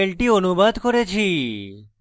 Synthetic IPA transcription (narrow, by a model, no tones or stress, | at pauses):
elʈionubad̪koɾet͡ɕʰi